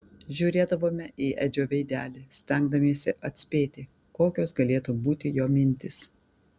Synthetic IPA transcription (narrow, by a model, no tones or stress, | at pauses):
ʒʲʊːɾʲeːd̪ɐʋoːmʲɛʔiːʔɛd͡ʒʲoːʋʲɛɪd̪ʲæːlʲesʲt̪ʲɛŋɡ̚d̪ɐmʲeːsʲɛʔɐt̪ʲsʲpʲeːt̪ʲɪ | koːkʲoːsɡɐlʲeːt̪uːbuːt̪ʲɪjoːmʲɪnʲt̪ʲɪs